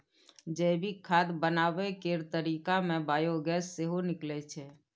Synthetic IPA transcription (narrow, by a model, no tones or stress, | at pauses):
d͡ʒɛbʱikʰaːd̪bənaʋekeɾt̪əɾiːkamẽbaːjoɡɛsːeɦonɪklɛt͡ʃʰe